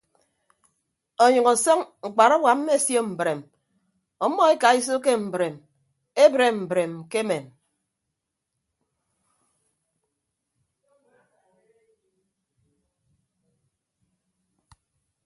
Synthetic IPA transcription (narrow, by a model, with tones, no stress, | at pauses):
o˨ɲɨ˨ŋɔ˨sɔ˦ŋŋ̩˨k͡pa˨ɾɔ˦bwa˨m̩˦me˦˨sjo˦m̩˨bɾe˨m | ɔ˦mːɔ˦e˦ka˨i˦s̬o˦k̬e˦m̩˨bɾe˨m | e˦bɾe˨m̩˨bɾe˨mke˦me˨m